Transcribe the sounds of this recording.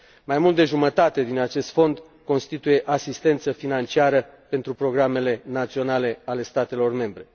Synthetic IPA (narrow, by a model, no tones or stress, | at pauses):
majmult̪̚d̪e̞ʒumət̪at̪e̞d̪inat͡ʃe̞st̪fo̞nd̪ | ko̞nst̪it̪uje̞ʔasist̪e̞nt̪səfinant͡ʃiaɾə | pe̞nt̪ɾupɾo̞ɡɾame̞le̞nat̪sio̞nale̞ale̞st̪at̪e̞lo̞rme̞mbɾe̞